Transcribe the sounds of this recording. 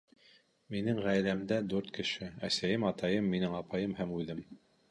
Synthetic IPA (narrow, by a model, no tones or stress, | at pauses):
minɘŋʁæjlæmd̪æd̪ʉɾt̪kɘ̆ʃɘæ̰sæjɘmɑt̪ɑjɤmːinɘŋɑpɑjɤmhæmujðɘm